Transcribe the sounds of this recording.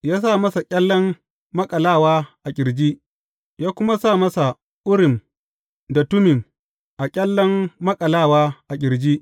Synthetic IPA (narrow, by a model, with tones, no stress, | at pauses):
jaː˦sa˦˨mɐ˦sa˨kʲʼɐ˦lːɐ˦mː | ɐ˦kʼɐ˨laː˦˨waː˦ʔa˨kʲʼɪ˨ɾd͡ʒiː˦ʔ | jaː˦kʷʊ˦ma˦sa˦˨mɐ˦sa˨ | ʔʊ˦ɽɪ˨m | da˨tʊ˦mɪ˨ŋ | ʔa˨kʲʼɐ˦lːɐ˦mːɐ˦kʼɐ˨laː˦˨waː˦ʔa˨kʲʼɪ˨ɾd͡ʒiː˦